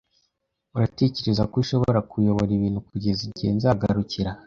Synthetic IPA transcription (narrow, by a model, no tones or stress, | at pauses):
uɾate̞ce̞ɾezakuiʃo̞βoo̞ɾakujo̞βo̞ɾiβiːnhukuɟe̞ziɟenzaɡaɾuciɾa